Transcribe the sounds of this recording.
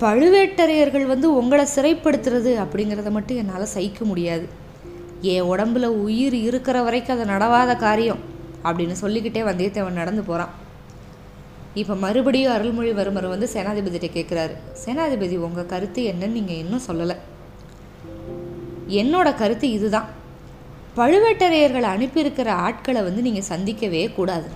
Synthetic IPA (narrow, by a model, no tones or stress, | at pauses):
pɐɻɯʋeːʈːɐɾɐjɐɾɣɐɭʋɐnd̪ɯʊŋɡɐɭɐsɪɾɐɪpːɐɽɯt̪ːɯɾɐðɯɐpːɐɽɪŋɡɪɾɐðɐmɐʈːɯ̃ɛnːaːlɐsɐjɪkːɐmʊɽɪjaːðɯ | eːɔɽɐmbɪlɐʊjɪɾɪɾɯkːɪɾɐʋɐɾɐɪkːɯ̃ɐðɐnɐɽɐʋaːðɐkaːɾɪjɐ̃mɐpːɐɽɪnːɯsɔlːɪkːɪʈːeːʋɐnd̪et̪ːeːʋɐnnɐɽɐnd̪ɯpoːɾãː | ɪpːoːmɐɾɯbɐɽɪjʊ̃ɐɾɯlmʊɻiʋɐɾɯmɐɾɯ̃ʋɐnd̪ɯseːnaːðɪbɐðɪʈːɐkːeːʈkɪɾaːɾɯ̰seːnaːðɪbɐðiɔŋɡɐkɐɾɯt̪ːɯɛnːɐnniːŋɡɐɛnːʊ̃sɔlːɐlɐ̃ | ɛnːoːɽɐkɐɾɯt̪ːɯɪðɯðãː | pɐɻɯʋeːʈːɐɾɐjɐɾɣɐɭɐɳɯpːɪɾɯkːɪɾɐaːʈ̚kɐɭɛʋɐnd̪ɯniːŋɡɐsɐnd̪ɪkʲːɐʋeːkuːɽaːðɯ